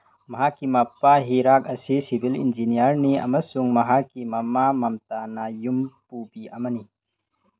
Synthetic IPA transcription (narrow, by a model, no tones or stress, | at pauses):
mɐɦakimɐpːaɦiɾak̚ɐsisibʱilḭnzinijɐɾniɐ̰masuŋmɐɦakimɐmamɐmtanajumpubiʔamani